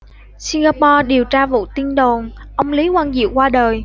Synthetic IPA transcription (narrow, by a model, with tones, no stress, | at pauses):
si˧ŋɣaː˧pɔ˧ɗi˨˩əwt͡ɕaː˧vṵ˧˨t̪i˧ənɗo˨˩nʔə˧wŋ͡mli˨˦kwaː˧nzḭ˧˨əwkwaː˧ɗəː˨˩j